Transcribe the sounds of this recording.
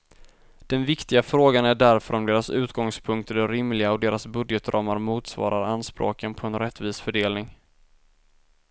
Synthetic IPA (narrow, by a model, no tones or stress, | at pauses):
d̪̥ɛnvɪkt̪ɪɡafɾoːɡanæɖæɾfœɾɔmd̪eːɾasʉ̟ːt̪ɡɔŋspʰɵŋk̚t̪əɖɛɾɪmlɪɡaɔd̪eːɾasbɵd̪jɛt̪ɾʔɑːmaɾmuːt̪svɑ̰ːɾaɾanːspɾo̰ːkənpʰɔɛnɾɛt̪ːviːsfœɖeːlnɪŋ